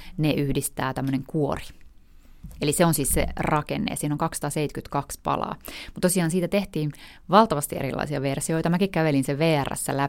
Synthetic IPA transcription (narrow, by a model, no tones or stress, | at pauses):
neʔyhdist̪æːt̪æmːøneŋkuori̥ | eliseonsiːssḛrɑkḛnːḛːɑsiːnoŋkɑksɑ̥t̪ɑːseit̪kyt̪kɑkspɑ̰lɑ̰ːmut̪t̪osiɑːnsiːt̪æt̪eht̪iːn | ʋɑlt̪ɑʋɑst̪iḛɾḭlɑ̰isiɑʋersioit̪ɑmækikkæʋelinseʋeːæræ̰sːælæ